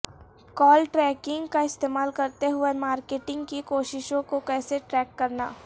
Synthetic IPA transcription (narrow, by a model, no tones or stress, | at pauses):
kɔːlʈɾɛːkɪ̃ŋɡkaɪst̪eːmaːlkɐɾt̪eɦʊemaːɾkeːʈɪ̃ŋɡkikoːʃɪʃõkokɛːseʈɾɛːkːɐɾna̰ː